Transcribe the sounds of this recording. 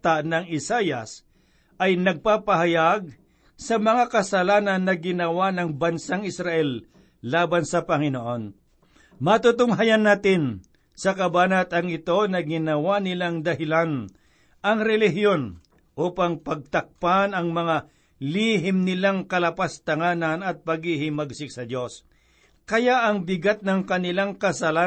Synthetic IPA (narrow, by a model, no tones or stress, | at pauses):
t̪anɐŋɪsajɐs | ʔɐjnɐɡ̚papɐɦajaɡ̚ | sɐmɐŋakɐsɐlaːnɐnːɐɡɪnɐwanɐŋbɐnsaŋɪsɾaʔɛlː | aːbɐnsɐpɐŋɪnoʔo̞n | mɐt̪ut̪ʊŋɦajanːaːt̪ɪn | sɐkɐbaːnɐt̪ɐŋɪt̪o̞nɐɡɪnɐwanɪlaŋd̪ɐhɪlan | ʔɐŋɾɛlɪɦjo̞n | ʔuːpɐŋpɐɡ̚t̪ɐk̚panɐŋmɐŋa | liɦɪmnɪlaŋkɐlɐpast̪ɐŋaːnɐnɐt̪̚pɐɡɪhɪmɐɡsɪk̚sɐd̪jo̞s | kɐjaʔɐŋbɪɡat̪̚nɐŋkɐnɪlaŋkɐsɐlaː